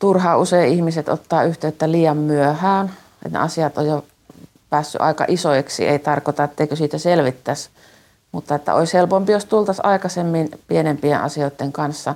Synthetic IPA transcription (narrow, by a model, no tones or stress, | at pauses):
t̪urhɑːuseiihmiset̪o̰t̪ːɑːyht̪eøt̪ːæliːjɑmmyøhæːn | ḛt̪nḛɑsiɑt̪o̰jjo | pæːsːy̰ʔɑ̰ikɑ̰ʔisojeksḭḛit̪ɑrkot̪ɑet̪ːeikøsiːt̪æselʋit̪ːæs | mut̪ːɑet̪ːæ̰o̰ishelpompijost̪ult̪ɑsɑˑikɑsemːinpienempieʔʔɑ̰sioˑit̪ːeŋkɑnsːɑ